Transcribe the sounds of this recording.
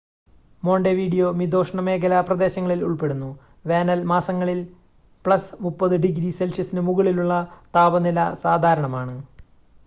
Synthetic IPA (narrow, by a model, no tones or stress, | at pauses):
mo̞ːɳɖeʋiːɖijo̞mid̪o̞ːʂɳɐme̞ːɡɐlɐprɐd̪e̞ːɕɐŋːɐɭiluɭpe̞ɽunːu | ʋe̞ːnɐlmaːsɐŋːɐɭil | pɭɐsmupːɐðɨɖiɡɾise̞lsɐsinɨmuɣɐɭiluɭːɐt̪aːbɐnilɐsaːd̪ʱaːɾɐɳɐmaːɳɨ